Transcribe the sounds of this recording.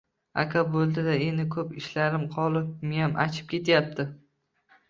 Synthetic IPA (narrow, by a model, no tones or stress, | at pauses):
a̰kʲʰabolˠd̪ɪd̪aenɪkʰɵpɪʃlaɾɪmqʰɒlˠɪp̚mejamʔat͡ʃʰɪ̥p̚kʲʰe̞t̪ʰjap̚t̪ʰɪ